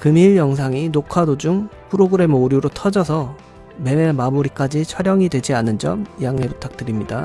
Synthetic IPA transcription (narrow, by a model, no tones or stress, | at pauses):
kɯmiɭjʌŋs̬ʰaŋinokʰadod͡ʑumpʰɯɾoɡɯɾe̞mɯoɾjuɾotʰʌd͡ʑʌsʰʌ | me̞memamuɾik͈ad͡ʑit͡ɕʰʌɾjʌŋidwe̞d͡ʑianɯnd͡ʑʌ̰mjaŋe̞putʰak̚t͈ɯɾimɲida